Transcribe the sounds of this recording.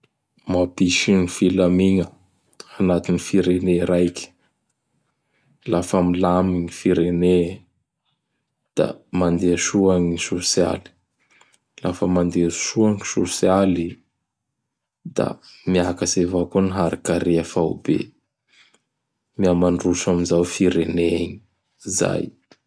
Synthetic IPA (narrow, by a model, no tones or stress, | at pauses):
mapiʃinifilamiŋə | anat̪inifiɾeneɾajki̥ | lafamilamiŋifiɾene | d̪̥a̰mand̪eaʃuaŋiisosia̰li̥ | lafəmand̪eʃuaŋsosjali | d̪̥a̰miakasevakoniɦaɾakaɾeafawbḛ | miamanrusamizawfiɾeneɲi | za̰j